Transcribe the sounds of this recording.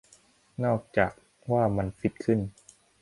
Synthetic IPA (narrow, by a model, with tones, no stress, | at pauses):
nɔː˥˩k̚t͡ɕaː˨˩k̚ | waː˥˩ma˧nsi˦˥t̪̚kʰɯ˥˩n